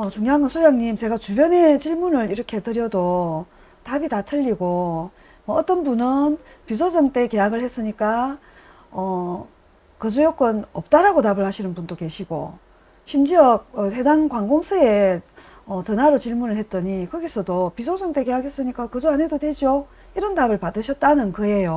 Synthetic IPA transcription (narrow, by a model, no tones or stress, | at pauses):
ʌt͡ɕuŋjaŋɯnsʰojaŋɲimt͡ɕe̞ɡat͡ɕubjʌne̞t͡ɕiɭmunɯɾiɾʌkʰe̞tɯɾjʌdo | tabitatʰɯʎːiɡo | mʌʌt͈ʌnbunɯn | pisʰod͡ʑʌŋt͈e̞ke̞jaɡɯɭhes͈ɯɲik͈a | ʌ | kɯd͡ʑujok͈ʌnʌp̚t͈aɾaɡotabɯɭhaɕʰinɯnpundoke̞ɕʰiɡo̰ | ɕʰimd͡ʑiʌɡ̚ʌedaŋkwaŋɡoŋsʰɯe̞ | ʌt͡ɕʌnaɾot͡ɕiɭmunɯɭhe̞t̚t͈ʌɲikʌɡesʰʌdopisʰod͡ʑʌŋt͈e̞ke̞jakhe̞s͈ɯɲik͈akɯd͡ʑuane̞dodwe̞d͡ʑo | iɾʌntabɯɭpadɯɕʰʌt̚t͈anɯnkɯe̞jo